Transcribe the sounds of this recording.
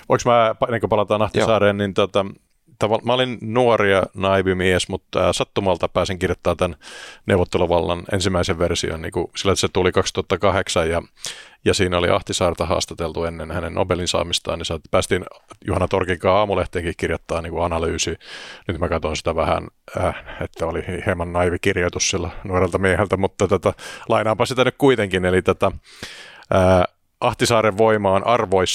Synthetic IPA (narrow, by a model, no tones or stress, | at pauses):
oiksmæːpenːeŋkopɑlɑt̪ɑːnɑht̪isɑːreːnnint̪uot̪ɑ | t̪ɑʋɑmæolinnuoriɑnɑiʋymiesmut̪ːæ̰ːsɑt̪ːumɑlt̪ɑpæːsiŋkirjot̪ːɑːt̪ænneuʋot̪ːeluʋɑlːɑnḛnsimːæiseʋʋersio̰nnḭːkusilːæset̪ulikɑkst̪uɑt̪ːɑkɑheksɑjjɑjɑsiːnolḭʔɑ̰ht̪isɑːrt̪ɑhɑ̰ːst̪ɑt̪elt̪uenːenhænenno̰belinsɑ̰ːmist̪ɑ̰ːnisɑpæːst̪iːnjuhɑnːɑt̪orkikɑːɑːmuleht̪eːŋkihkirjɑt̪ːɑːniːŋkuɑnɑlyːsinyt̪mækɑt̪onsi̥t̪æʋæhæ̰nː | et̪ːæolihhemɑnːɑiʋikirjot̪ussielːænuorelt̪ɑmiehelt̪æmut̪ːɑt̪ot̪ɑlɑinɑːmpɑsit̪ænykkuit̪eŋkinelit̪ot̪æ | əː | ɑht̪isɑːɾeʋʋoimɑːnʔɑrʋois